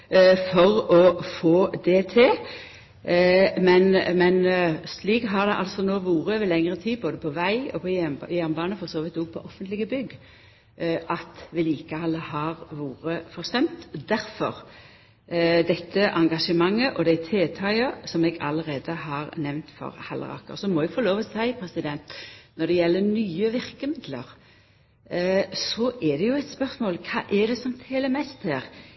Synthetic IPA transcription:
fɔʁɔfoːd̪ɛt̪ʰɪ | mɛnmɛnsliːkɦɑʁd̪ɛʔɑlsɔnoːʋuːʁəʋɪlɛŋʁət̪ʰiːboːd̪əpʰɔʋæɪɔ̰pʰɔjæɾnbɑːnəfɔʁsoːʋɪt̪ɔɡ̚pʰɔʔɔfənt̪lɪɡəbʏɡ | ʔɑt̪ʋɪliːkəɑlːəhɑʁʋuːɾəfɔʁst̪ɛmt̪d̪æɾfɔʁ | d̪ɛt̪ʰːəʔɑŋɡɑʂəmɑŋːəʔɔd̪ɛt̪ʰeːt̪ʰɑɪəsɔmɛɡɑləɾeːd̪əhɑːɾnɛʋnt̪fɔ̰ʁhɑlʔə̰ʁɑ̰kə̰sɔmɔɛɡfɔloːʋəsæɪpʰɾɛsɪd̪ɛnt̪nɔɾd̪ɛjɛlːənyːəʋɪɾkəmɪd̪lə̰ʁ | sɔʔɛd̪ɛjʊɛt̪spœɾsmoːlkʰɑːʔɛd̪ɛsɔmt̪ʰeːləmɛst̪hæːɾ

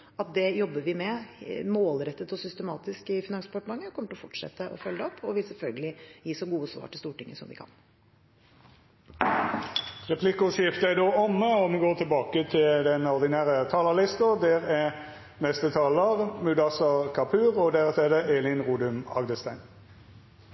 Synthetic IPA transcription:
ɑt̪̚d̪ɛjɔbːəʋɪmɛmoːlɾɛt̪ːət̪ɔsʏst̪əmɑːt̪ɪskɪfɪnɑŋspʰɑʈmɑŋːəkʰɔmːəʈɪlɔfɔʈʂɛ̰t̪ːəʔɔ̰fœlːəɔpʰːɔʋɪsɛlfœlɡəlɪjiːsɔɡuːəsʋɑ̰ːʈʰɪlst̪uːʈɪŋːəsɔmʋɪ̰kʰɑ̰n | ʁɛpʰlɪkʊsɪft̪əɛd̪oːɔmːəɔmɡoːt̪ʰɪlbɑːkət̪ʰɪld̪ɛnɔʁd̪ɪnæːʁət̪ʰɑːləlɪst̪əd̪ɛʁɛ | nɛst̪ət̪ʰɑːləʁmʉd̪ɑsɑkʰɑpʰʉːʁɔd̪æʁt̪ʰɛːd̪əʔeːlɪnʁuːd̪ʉmɑ̰ɡnəst̪æɪn

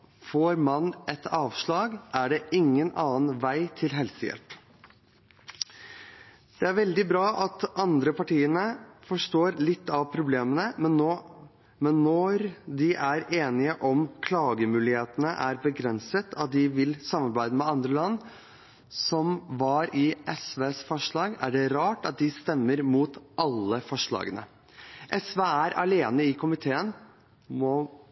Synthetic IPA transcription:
foːɾmɑnʔɛt̪ɑːʋʂɭɑːɡʔæɖɛʔɪŋːənɑːənʋæɪt̪ʰɪlɦɛlsəjɛ̰lp | d̪̥ɛæɾʋɛld̪ɪbɾɑːʔɑt̪ɑnd̪ɾəpɑʈiːənəfɔʂʈoːɾlɪt̪ːɑʋpʰɾʊbleːmənəmɛnoː | mɛnːɔɾd̪ɪʔæɾeːnɪəʔɔmkʰlɑːɡəmʉːlɪheːt̪ənəʔæɾbəɡɾɛnsət̪ʰɑt̪̚d̪ɪʋɪlsɑmːɑɾbæɪd̪əmɛɑnd̪ɾəlɑnː | sɔmʋɑɾɪʔɛsʋeːsfɔʂɭɑːɡæ̰ɖɛɾɑːʈɑt̪̚d̪ɪst̪ɛmːəɾmuːt̪ʔɑlːəfɔʂɭɑ̰ːɡənə̰ | ʔɛsʋeːæɾɑ̰leːnəɪkʰʊmɪt̪ʰeːən | mɔ

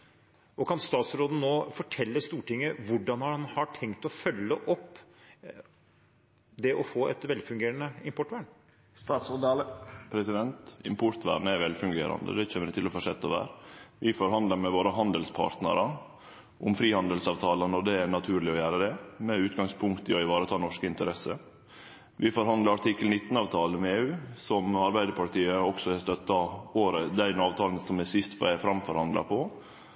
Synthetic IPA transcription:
ʔɔkʰɑnst̪ɑːt̪sɾoːd̪n̩noːfɔʈʰɛlːəst̪uːʈɪŋːəʋʊɖɑnhɑɑnhɑʈʰɛŋt̪ɔfœlːəʔɔpː | d̪ɛʔɔfoːʔɛ̰t̪ʋɛlfʉŋɡeːɾənəɪmpɔʈʋæːɳ | st̪ɑːt̪sɔd̪ɑləpʰɾɛsɪd̪ɛnt̪ɪmpʊɾt̪ʋæ̰ːɖnəæɾʋɛlfʉŋɡeːɾɑ̰nd̪ə̰d̪ɛçeːəɾɪt̪ʰɪlɔfɔʂɛt̪ːɔʋæ̰ːɾʋɪfɔɾɦɑnd̪ləɾmɛʋoːɾəɦɑnd̪əlspʰɑ̰ːɾt̪nə̰ɾə | ʔʊmfɾiːhɑnd̪əlsɑːʋt̪ʰɑːlənɔɖ̪ɛæɾnɑt̪ʰʉːɾlɪɔjæːɾəd̪ɛmɛʉːt̪ɡɑŋspʰʊŋkt̪əɔɪʋɑːɾət̪ʰɑːnɔʂkəɪnt̪əɾɛsə | ʋʔɪfɔɾɦɑnd̪ləɾɑʈ̪ʰɪkːəlnɪt̪ːn̩ɑːʋt̪ʰɑːlənmeːʉːsɔmɑɾbæɪd̪əpʰɑɾʈiːəɔksɔɛst̪œt̪ːɑoːɾəd̪æɪnɑːʋt̪ʰɑːlnsɔmæsɪst̪ʋɑ̰æfɾɑmfɔɾhɑnd̪lɑ̰pʰɔ

